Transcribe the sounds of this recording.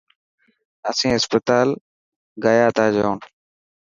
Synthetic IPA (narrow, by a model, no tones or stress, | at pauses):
əsĩːɦɪspət̪aːl | ɡaːjaːt̪ʰaːd͡ʒoːn